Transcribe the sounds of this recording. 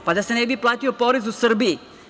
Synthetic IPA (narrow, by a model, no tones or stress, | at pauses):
pad̪asenɛbiplat̪iopoɾis̬usərbi